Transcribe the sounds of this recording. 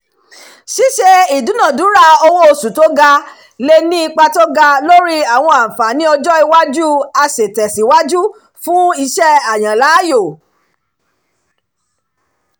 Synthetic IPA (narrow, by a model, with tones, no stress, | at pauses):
ʃi˨˦ʃe˧i˨dũ˨˦nã˨dũ˨˦ɾa˦˨o˧wo˦o˧su˨to˦ɡa˧ | le˧nĩ˦i˧k͡pa˧to˦ɡa˧lo˦ɾi˦a˦˨w̃ɔ̃˧ã˨fa˨˦nĩ˦ɔ˧d͡ʒɔ˦i˧wa˦d͡ʒu˦a˧se˨tɛ˨si˨˦wa˦d͡ʒu˦ | fũ˦i˧ʃɛ˦a˨j̃ã˨la˨˦jo˦˨